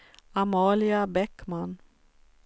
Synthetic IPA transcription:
amɑːlɪabɛkman

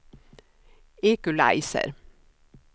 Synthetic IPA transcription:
eːkʉlæ̰ɪsə̰ɾ

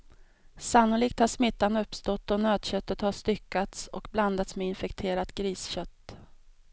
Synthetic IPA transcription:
sanːʊliːk̚t̪haʂmɪt̪ːanɵpːst̪ɔt̪ːɔnøːd̪ɕœt̪ːət̪haʂt̪ʏkːat̪sɔ̰kbland̪at̪smeɪnfɛkt̪ʰeːɾat̪ɡɾiːsɕœt̪ː

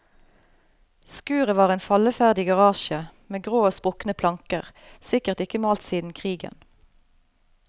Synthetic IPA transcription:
skʉːʁəʋɑːʁeːnfɑləfæʁd̪ɪɡɑʁɑːʃəmeːɡʁoːoːspʁʊknəpʰlɑŋkəʁsɪkəʁt̪ɪkəmoːlt̪siːd̪n̩kʰʁiːɡə̰n

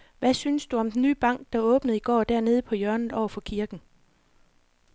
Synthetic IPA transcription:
ʋæsynsd̥uɒ̽md̥en̩ny̰ːb̥ɑ̈ŋ̰ɡ̥̚d̥ɑ̈ɔ̽ːb̥nəð̩ˠiɡ̥ɒ̰ːd̥æɐne̝ːð̞ˠəpʰɒ̽jœɐnð̩ˠɒʊ̰ɐfɒ̽kʰiɐɡ̥n̩

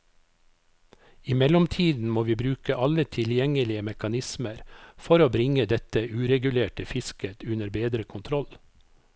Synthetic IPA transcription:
ɪmɛlɔmt̪ʰiːd̪n̩moːʋiːbɾʉːkəʔɑlət̪ʰɪljɛŋəlɪəmɛkɑnɪsməɾfɔɾoːbɾɪŋəd̪ɛt̪əʉːɾɛɡʉleːʈəfɪskət̪ʉnəɾbeːd̪ɾəkʰʊnt̪ʰɾɔl

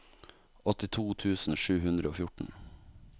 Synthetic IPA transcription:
ɔt̪ɪt̪ʰuːt̪ʰʉːsn̩ʃʉːhʉnd̪ɾəoːfjʊʈɳ̩

